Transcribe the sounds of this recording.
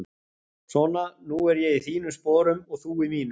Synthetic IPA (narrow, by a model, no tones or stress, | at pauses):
sɔnanuɛɾjɛɣiθiːnʏspɔːɾʏmɔɣθuimiːnʏ